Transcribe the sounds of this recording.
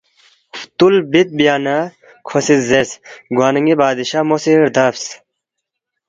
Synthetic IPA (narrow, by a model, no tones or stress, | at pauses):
ft̪ulbit̪̚bijaːnɐ | kʰosizzesɡwaːnɐŋɡibaːd̪iɕamosiɾd̪ɐfs